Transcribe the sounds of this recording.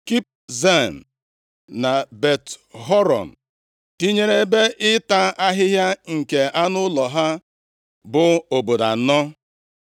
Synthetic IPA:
ki˦p̚ze˦˨m̩˨ | na˨be˨tɦɔ˦ɾɔ̰˨m̩˨ | ti˦ɲe˦ɾe˦be˦ʔɪ˦ta˦a˦ɦɪ˦ɦja˦ŋ̩˨ke˨a˦nʊ˦lɔ˨ɦa˦ | bʊ˨o˨bo˨da˨˦nɔ˦

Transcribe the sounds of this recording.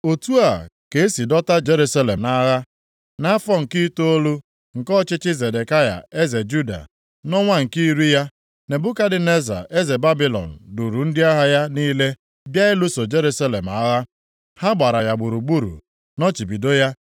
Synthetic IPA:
o˨tu˦a˨ke˨e˦si˨dɔ˦ta˦d͡ʒe˦ɾu˦sa˦le˨mna˦ɣa˦ | na˦fɔ˦ŋ̩˨ki˦to˦o˦lu˦ | ŋ̩˨kɔ˦t͡ʃɪ˦t͡ʃɪ˦ze˨de˨ka˦ja̰˨e˦ze˨d͡ʒu˦da̰˨ | nɔ˦ŋʷa˦ŋ̩˨ki˦ɾu˦ja˦ | ne˨bʊ˦ka˦dɪ˨ne˦za̰˨ʔe˦ze˨ba˦bi˦lɔ̰˨n̩˨du˨ɾu˨n̩˦dɪ˦a˦ɦa˦ja˦niː˦le˦ | bja˦ɪ˦lu˦so˨d͡ʒe˦ɾu˦sa˦le˨m˨a˨˦ɣa˦ | ha˦ɡ͡ba˨ɾa˨ja˨ɡ͡bʊ˨ɾu˨ɡ͡bu˦ɾṵ˨ | nɔ˦t͡ʃi˨bi˨do˦ja˦

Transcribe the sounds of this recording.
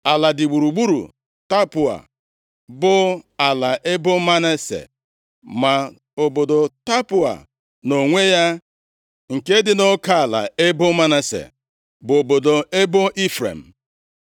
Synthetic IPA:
a˨la˨dɪ˨ɡ͡bu˨ɾu˨ɡ͡bu˦ɾṵ˨ | ta˦pʊ˨a̰˨ | bʊ˦a˨la˨ʔe˦bʊ˦ma˦ne˦sḛ˨ | ma˨ | o˨bo˨do˨ta˦pʊ˨a̰˨ | no˨ŋʷe˦ja˦ | ŋ̩˨ke˦dɪ˨no˦ka˦a˨la̰˨e˦bʊ˦ma˦ne˨sḛ˨ | bʊ˨o˨bo˨do˨e˦bʊ˦ʔi˦fɾḛ˨m̩˨

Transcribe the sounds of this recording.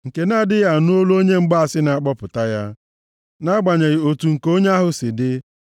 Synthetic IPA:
ŋ̩˨ke˨na˦˨dɪ˦ɣa˨nu˦o˦lo˦ɲe˦ŋ͡m̩˦ɡ͡ba˦a˨sɪ˦na˨a˨k͡pɔ˦pʊ˨ta˦ja˦ | na˦ɡ͡ba˨ɲe˨ɣi˨o˨tu˨ŋ̩˨ko˦ɲe˦a˦ɦʊ˨sɪ˨dɪ˦

